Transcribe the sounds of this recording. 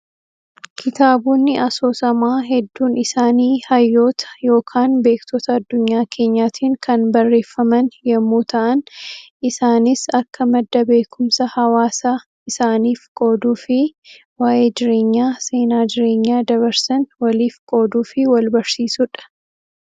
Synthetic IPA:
kʰɪt̪aːbuːnːɪʔɐso̞ːsɐmaːɦɛd̪ːuːnɪsaːniːhɐjːo̞ːt̪ʰɐ̥jo̞ːkʰaːnbe̞ːkt̪ɔt̪ɐɐd̪ːʊɲːaːkʰe̞ːɲːaːt̪ʰiːŋkʰɐnbɐrːe̞ːfːɐmɐnjɐmːuːt̪ʰɐʔɐn | ɪsaːnɪsɐkːɐmɐd̪ːɐbe̞ːkʰʊmsɐhɐwaːsaː | ɪsaːniːfkʼo̞ːd̪uːfɪ | waːʔe̞ːd͡ʒɪɾe̞ːɲːaːse̞ːnaːd͡ʒɪɾe̞ːɲːaːd̪ɐβɐɾsɐnwɐliːfkʼo̞ːd̪uːfɪwɐlbɐɾsiːsʊᶑɐ̥

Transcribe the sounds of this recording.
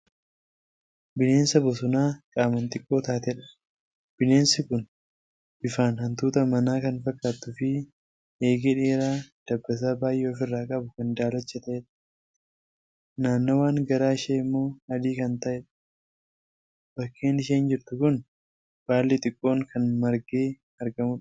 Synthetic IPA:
bɪne̞ːnsɐbɔsʊnaːkʼaːmɐnt̪ʼɪkʼːo̞ːt̪aːt̪ɛᶑɐ̥ | b̥ɪne̞ːnsɪkʊn | b̥ɪfaːnhɐnt̪uːt̪ɐmɐnaːkɐnfɐkʼːaːt̪ːʊfɪ | eːɡɛᶑeːɾaːd̪̥ɐbːɐs̬aːbaːjʔo̞ːfɪrːaːkʼɐbʊkɐnd̪aːlɔt͡ʃːɛt̪ɐeᶑɐ̥ | naːnːoːwaːŋɡɐɾaːɪʃeːɪmːo̞ːɐd̪iːkɐnt̪ɐʔɛᶑɐ̥ | b̥ɐkʰːe̞ːnɪʃeːnd͡ʒɪɾt̪ʊkʊn | b̥aːlːit̪ʼɪkʼːo̞ːŋkʰɐnmɐɾɡe̞ː | ɐɾɡɐmʊᶑ

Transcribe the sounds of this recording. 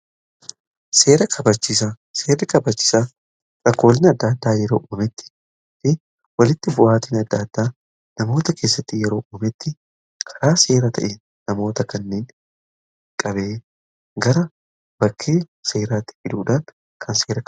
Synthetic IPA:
se̞ːɾɐkʰɐbɐt͡ʃːɪsɐ | seːrɪkɐbɐt͡ʃːɪ̥sa | ɾʼɐkːo̞ːlɪnɐd̪ːaːd̪ːaːjɛɾo̞̰ːʔuːmɛt̪ːɪ̥ | ɪ | wɐlɪt̪ːɪbʊʔaːt̪iːnɐd̪ːaːd̪ːaː | nɐmo̞ːt̪ɐkʰe̞ːsːɐt̪ːɪjɛɾo̞ːʔuːmɛt̪ːɪ | kʰɐɾaːse̞ːɾɐt̪ʰɐ̰ʔe | nɐmo̞ːt̪ɐkɐnːeːn | kʼɐβe̞ː | ɡɐɾɐ | bɐkʰːeː | se̞ːɾaːt̪ːɪ̥fɪᶑ̪uːᶑan | kʰɐnse̞ːɾɐ

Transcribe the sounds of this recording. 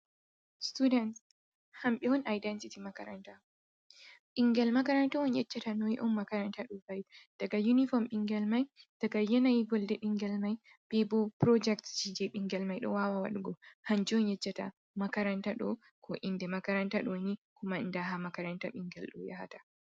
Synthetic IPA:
studɛnt | hamɓɛwɔnajdɛntitimakaɾa̰nta | ɓiŋɡɛlmakaɾantaɔnjɛt͡ʃːatanɔjiʔɔmːakaɾantaɗɔbajd̥aɡajunifɔmɓiŋɡɛlmajd̥aɡajɛnajiɡɔldɛɓiŋɡɛlmaj | bɛbɔpɾɔd͡ʒɛktd͡ʒid͡ʒɛɓiŋɡɛlmajɗɔ̰wawawa̰ɗuɡɔhand͡ʒiɔnjɛt͡ʃːata̰ | makaɾantaɗɔ | kʰɔʔindɛmakaɾantaɗɔnikʰumandaɦamakaɾantaɓiŋɡɛlɗɔ̰ja̰ha̰tḁ

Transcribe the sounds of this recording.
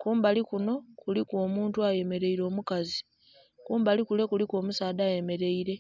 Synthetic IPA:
kuːmbalikuno̞kulikwo̞ːmuːntuaje̞me̞ɾe̞iɾo̞ːmukazi | kuːmbalikule̞kulikwo̞ːmusaːdaːje̞me̞ɾe̞iɾe̞

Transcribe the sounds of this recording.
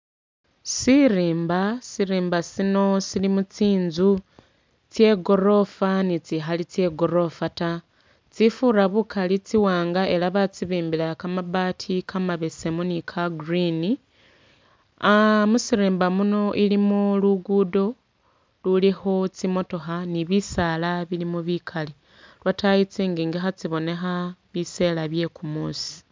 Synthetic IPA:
siriːmbasiɾiːmbasino̞silimut͡siːnzu | t͡sje̞ɡo̞ɾo̞fanit͡sixalit͡sje̞ɡo̞ɾo̞fata | t͡sifuɾaβukʰalit͡siwaːŋɡaʔe̞laβat͡siβiːmbilakamaβaːtʰikʰamaβesemunikʰaɡrini | amusiɾeːmbamuno̞ʔilimuluɡudo̞ | lulixo̞t͡simo̞to̞xaniβisalaβilimuβikʰali | lwatajit͡siːŋɡiːŋɡixat͡siβo̞ne̞xaβise̞laβje̞kumuːsi̥

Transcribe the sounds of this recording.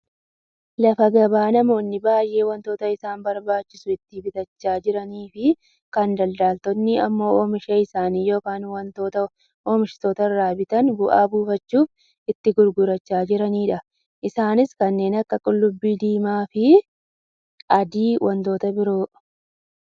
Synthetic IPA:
lɐfɐɡɐbaːnɐmo̞ːnːɪbaːjʔe̞ːwɐnt̪o̞ːt̪ɐɪsaːmbɐɾbaːt͡ʃːɪsʊɪt̪ːɪbɪt̪ɐt͡ʃːaːd͡ʒɪɾɐniːfɪ | kɐnd̪ɐld̪aːlt̪ɔnːɪɐmːo̞ːɔmɪʃeɪsaːniːjo̞ːkaːnwɐnt̪ot̪ɐ | ɔːmɪʃɪ̥t̪oːt̪ɐɪrːaːbɪt̪ɐnbʊʔa̰ːbuːfɐt͡ʃːuːf | ɪt̪ːɪɡʊɾɡʊɾɐt͡ʃːaːd͡ʒɪɾɐniːᶑɐ | ʔɪsaːnɪskɐnːe̞ːnɐkːɐkʼʊlːʊbːiːd̪iːmaːfɪ | ʔɐd̪iːwʔɐnt̪o̞ːt̪ɐbɪɾo̞ː

